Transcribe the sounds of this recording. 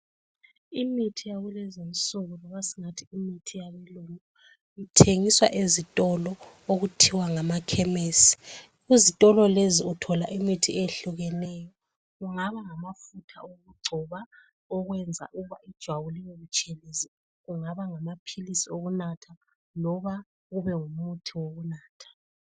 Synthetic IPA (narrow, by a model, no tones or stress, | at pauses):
imitʰijaɣulɛzinsʼuɣulɔɣasiŋatʰiːmitʰijaβiluŋu | itʰeŋiswa̰ʔezitʼɔlɔ | oɣutʰiwaŋamakʰɛmeːsi̥ | uzitʼɔlɔleziutʰɔlaʔimitʰieɬuɣɛnɛjɔ | ɣuŋaβaŋamafutʰa̰oɣuɡ͡ǀʱɔβa | ɔɣwɛnd͡zʱa̰ʔuuβaid̥ʒ̥ʱwaβuliŋeβut͡ʃʼɛlezi | ɣuŋaβaŋamapʰilisioɣunatʰa | lɔβa | ɣuβɛŋumutʰiwoɣunaːtʰḁ